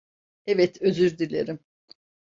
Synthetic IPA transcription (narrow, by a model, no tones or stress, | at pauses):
evɛt̪ʰøzyɾd̪ilʲḛɾim